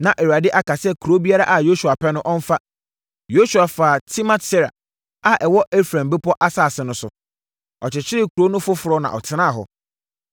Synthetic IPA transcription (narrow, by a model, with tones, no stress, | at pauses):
nã˨ʔɛ˨wa˨dɪ˦ʔa˦ka˨sɛ˦kʰo˦bi˦a˦ɾa˦ʔa˨jo˦su˨a˨pʰɛ˦nʊ̃˦ʔɔ˦ɱ̩˦fa˦ | jo˦su˨a˨faː˨tʰi˦mã˦tɛ˦ɾa̰˨ | a˦ʔɛ˨wɔ˦ʔe˦fɾã˨mbɪ˦pʰɔ˦ʔa˦saː˦˨sɪ˨nʊ̃˦sʊ̰˨ | ɔ˨t͡ɕɪ˨t͡ɕʰɪ˦ɾɪ˦kʰu˨ɾo˦nʊ̃˦fʊ˦fʊ˨ɾɔ˦nã̰˨ʔɔ˨tʰɪ˦nã˦˨ɦɔ̰˨